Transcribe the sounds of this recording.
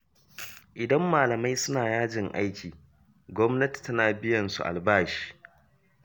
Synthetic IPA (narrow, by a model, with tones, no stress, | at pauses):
ʔɪ˨dɐ˦mːaː˨lɐ˨ma˦jsʊ˦naː˨jaː˦d͡ʒɪ˨ŋʔa̰˦jkʲiː˨ | ɡʷɔ˦mnɐ˦ti̥˨tɐ˦naː˨bɪ˦jɐ˨nsṵ˨ʔa̰˨lbaː˦ʃi̥ː˦˨